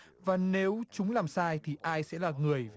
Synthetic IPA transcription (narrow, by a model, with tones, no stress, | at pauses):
vaː˨˩ne˨˦wt͡ɕʊ˨˦ŋ͡mlaː˨˩msaː˧jt̪ʰi˨˩ʔaː˧jsɛ̰˧˥laː˨˩ŋɨ˨˩əj